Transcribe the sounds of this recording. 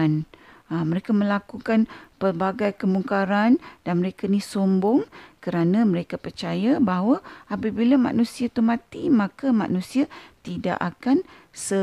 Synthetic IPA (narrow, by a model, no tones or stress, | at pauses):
naməɾekamə̃lakukanpərbaɡajkəmuŋkaɾandanməɾekanisombɔŋkəɾanãməɾekapərt͡ʃajabaɦwaapabilamã̰nũsiat̪umãt̪imãkamã̰ʔnũsiat̪ida̰ʔakan | sə